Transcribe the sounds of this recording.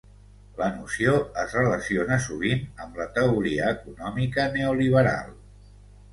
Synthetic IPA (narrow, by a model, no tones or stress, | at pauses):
lənusioəzrələsionəsuβ̞inəmlət̪əuɾiəːkunɔmikəneuliβ̞əɾa̰lˠ